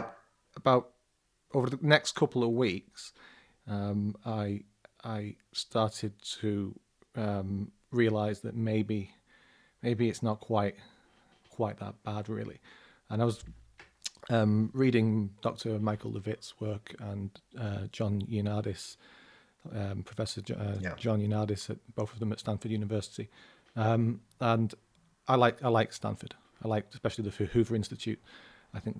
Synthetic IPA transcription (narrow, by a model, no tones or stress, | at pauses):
əbaʊt | oʊvə˞ðənɛkskʰʊpl̩ˠəvwiˑks | ʌ̃maɪ | aɪ | stʰɑɹtɪd̚tʰə | ʌ̃m | ɹiəlaɪzðə̰ʔ̚meɪbi | meɪbiɨtsnət̚kʰw̥aɪt̚ | kʰw̥aɪʔ̪̚ðə̰ʔ̚b̥adɹɪ̰lˠḭ | ə̃ñaɪwʌz | ʌ̃mɹiːɾɪ̃ŋd̥ɒk̚tʰəmaɪkʰl̩ˠləvɪtswɜˑ˞kʰə̃nʌd͡ʒɒ̃njʉnɑːɾɪs | ʌpʰɹ̥əfɛsəʌd͡ʒɒ̃njʉnɑːɾɪsət̚b̥oʊθəvðə̃mətstãnfədjʉːnɨvɜˑsɪ̥ti | ʌ̃m | ə̃n | ʔaɪlaɪkaɪlaɪkstã̰nfəd̥ | aɪlaɪk̚spɛʃl̩ˠiðəhʉhʉvə˞ɪ̃nstɪt͡ʃʰʉ̰t̚ | aɪθɪ̃ŋk